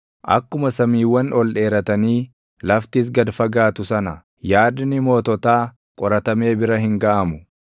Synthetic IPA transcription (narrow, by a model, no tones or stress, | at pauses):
ʔɐ̰kːʊmɐsɐmiːwːɐnɔlᶑe̞ːɾɐt̪ɐniː | lɐft̪ɪs̬ɡɐd̪fɐɡaːt̪ʊsɐnɐ | jaːd̪nɪmo̞ːt̪ɔt̪aː | kʼɔɾɐt̪ɐme̞ːbɪɾɐɦɪŋɡɐʔɐmʊ